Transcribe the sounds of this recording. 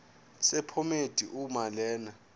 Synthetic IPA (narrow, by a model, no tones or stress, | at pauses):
sɛpʰɔmed̥ʱiʔumalɛːna